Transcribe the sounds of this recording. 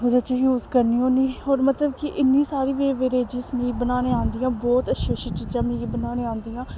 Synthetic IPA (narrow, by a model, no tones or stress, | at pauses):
ɦʊd̪eːt͡ʃəjuːzkəɾniːɦoːniːɦoːɾmət̪ləbkɪʔɪnːiːsaːɾiːʋeːʋeːɾeːd͡ʒɪ̃ːsmiːbənaːnẽːãːnd̪ijãːbɔːt̪əʃoːʃəʈid͡ʒãːmĩːbənaːneːãːnd̪iːãː